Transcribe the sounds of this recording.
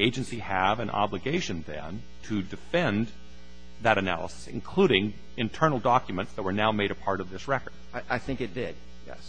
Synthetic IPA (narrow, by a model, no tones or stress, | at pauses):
eɪd͡ʒɨ̃nsiɨvɨ̃nʔɑ̰blɨɡeɪʃɨ̃nðɨ̰̃n | tʰɨdɨfɛ̃n | ðɨɾɨnæ̰lˠə̰sə̥sɨ̰̃nkʰl̥uɾɪ̃ŋ | ɨ̃ntʰɜ˞nl̩ˠdɑkjɨmə̃ntsðɨt̚wə˞naʊmeɪɾɨpʰɑɹɾʌvðɪsɹɛkə˞d̥̚ʔaɪθɪ̃ŋkɨt̚d̥ɪd̥̚ | jɛ̰s